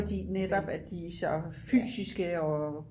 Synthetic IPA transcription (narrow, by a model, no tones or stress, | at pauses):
ɒd̥ḭːned̥ɒb̥æd̥isɒfy̰ːsisɡ̥əɒ